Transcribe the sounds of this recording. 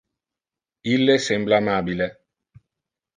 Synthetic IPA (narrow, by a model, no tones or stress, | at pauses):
ilːesɛmblamaːbile